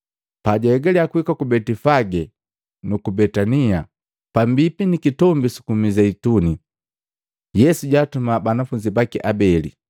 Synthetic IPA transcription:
paɟaɛɡalɛakuikakubɛtifaɡɛ | nukubɛtania | pambipinikitɔmbisu̥kumizɛituni | jɛsuɟaːtumabanafuɲd͡ʒibakiʔabɛlḭ

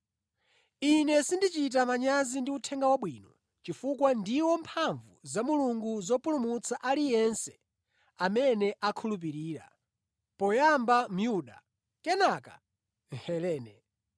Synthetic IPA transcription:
inɛsindit͡ʃit̬amaɲazindiutʰɛŋɡawaɓwiːnɔ | t͡ʃifukwandiwɔmpʰaɱvuzamuluŋɡuzɔpulumut͡sʰaʔalijɛnsɛ̥ | amɛnɛʔakʰulup̬iɾiːɾa̰ | pɔjambam̩juɗa | kɛnaka̰ | ŋ̩hɛlɛːnɛ

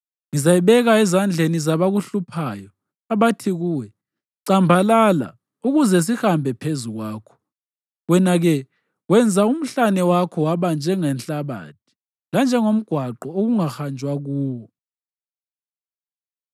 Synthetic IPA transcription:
ŋizajiβɛɣaɛzand͡ɮʱenizaβaɣuɬupʰaːjɔ | aβatʰiɣuːwɛ | ǀambʱalala̰ | uɣuzɛs̬ixambʱɛpʰezuɣwaːkʰɔ̥ | ɣwɛnaɣɛ | wɛnd͡zʱaum̩ɬanɛwakʰɔwaβand͡ʒʱɛŋɛnɬaβa̰t̚ʰi̥ | land͡ʒʱɛŋom̩ɡ̥ʱwaǃɔoɣuŋaxand͡ʒʱwaɣuːwɔ

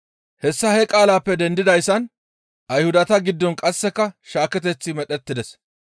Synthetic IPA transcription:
hɛsːɐhɛkʼaːlaːpːɛd̪ɛnd̪ɪd̪ɐjsːɐn | ʔɐjhʊd̪ɐt̪ɐɡɪd̪ːɔnkʼɐsːɛkːɐʃaːkɛt̪ɛt͡sːɪmɛɗɛt̪ːɪd̪ɛs

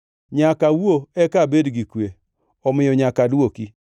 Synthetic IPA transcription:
ɲakawoɛkabedɡikwe | ɔmɪjɔɲakaduoki

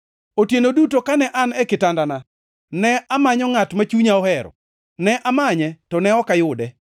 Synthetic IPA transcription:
otjenodutokanɛʔanɛkɪtandana | nɛʔamaɲɔŋatmat͡ʃuɲaɔhɛɾɔ̰ | nɛʔamaɲɛtɔnɛɔkajʊdɛ

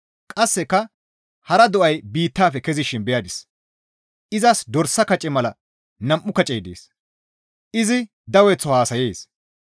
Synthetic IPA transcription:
kʼɐsːɛkːɐ | hɐɾɐd̪ɔʔɐjbiːt̪ːaːfɛkɛzɪʃɪnbɛjad̪ɪs | ɪzɐsd̪ɔɾsːɐkɐt͡ʃʼɛmɐlɐ | nɐmʔːʊkɐt͡ʃʼeːd̪ḛːs | ʔɪzɪ | d̪ɐwɛt͡sːɔhaːsɐjeːs

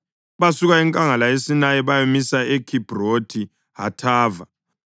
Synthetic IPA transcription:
βasuɣaɛŋkʼaŋalajesinajɛβajomisaekʰib̥ʱrotʰi | ɦa̰tʰaːva

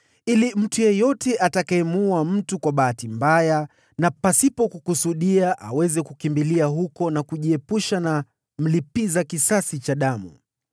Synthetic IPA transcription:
ilim̩tujɛjɔtɛʔatakaɛmuam̩tukwaɓaːtimbaja | napasipɔkukusuɗiaʔawɛzɛkukimbiliaɦukɔnakuʄiɛpuʃana | m̩lipizakisasit͡ʃaɗamṵ

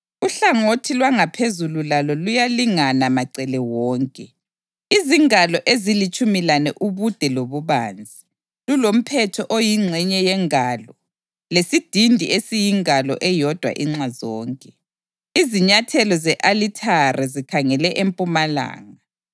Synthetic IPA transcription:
uɬaŋotʰilwaŋapʰezululalɔlujaliŋanamaǀɛlɛwɔːŋkʼɛ | iziŋalɔʔezilit͡ʃʼumilanɛʔuβud̥ʱɛloβuβaːnd͡zʱi | lulom̩pʰɛtʰɔʔojiŋ͡ǀʱɛɲɛjɛŋalɔ | lesid̥ʱindʱḭesijiŋalɔ̰ʔɛjɔd̥ʱwa̰ʔiŋ͡ǀazɔːŋkʼɛ | iziɲatʰɛlɔzɛʔalitʰarʔɛzikʰaŋɛlɛʔempʼumala̰ːŋa

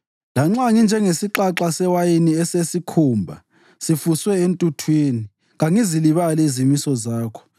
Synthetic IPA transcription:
laŋ͡ǁaŋind͡ʒʱɛŋesiǁaǁasɛwajiniɛsesikʰuːmbʱa̰ | sifuswɛentʼutʰwiːni | ɣaŋiziliβalɛizimisɔzaːkʰɔ̥

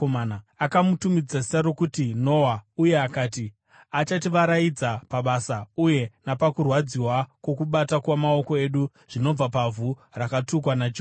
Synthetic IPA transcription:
omaːnakamutumid͡zasarokutino̞wauje̞akaːti | at͡ʃatiʋaɾajid͡zapaɓasauje̞napakurwad͡ziwakwo̞kuɓatakwamao̞ko̞eɗu | ʐ̥ino̞b͡vapavurakatuk̬wanad͡ʒ

